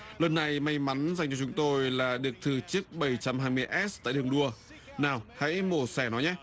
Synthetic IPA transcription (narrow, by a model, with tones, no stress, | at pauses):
lə˨˩nːa˨˩jma˧jma˨˦nza˨˩jŋ̟t͡ɕɔ˧t͡ɕʊ˨˦ŋ͡mt̪o˧jlaː˨˩ɗɨ˨˩ək̚t̪ʰɨ˨˩t͡ɕɨ˦˥ək̚ɓə˧˩jt͡ɕa˧mhaː˧jmɨ˧əjʔɛ˦˥t̚t̪a̰ː˧˨jɗɨ˨˩əŋɗu˧ə | naː˨˩wha̰˧˥jmo˧˩sɛ˧˩nɔ˨˦jɲɛ˦˥